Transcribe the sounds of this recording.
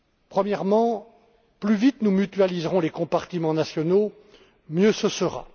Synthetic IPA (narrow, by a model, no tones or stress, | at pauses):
pχəmjɛʁmɑ̃ | plyvit̪numyt̪ɥalizʁɔ̃lekɔ̃paʁt̪imɑ̃nasjɔno | mjøsəsəʁa̰